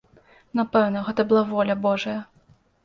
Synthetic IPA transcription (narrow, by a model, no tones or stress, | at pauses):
napɛwnɐɣɛt̪ɐbɨlˠavɔlʲɐbɔʐɐjɐ